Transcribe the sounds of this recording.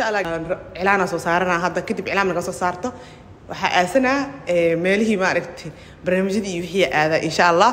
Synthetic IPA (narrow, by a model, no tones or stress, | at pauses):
nʃaʔɐlːaːʕɪlaːnasɔːsaːɾɐnaːɦɐd̪ɐkʰɐd̪ɪbʕɪlaːmnɐɣɐsɔːsaːrt̪ʰɔ | wɑ̰ħɑ̰ːʔaːsɐnaːɛːmɛːlɪɦiːmaːɾɐɡt̪ʰɛ | bɐrnaːmɪt͡ʃɐðiːwɪħiːjɐʔaːðɐʔɪnʃaʔɐlːaː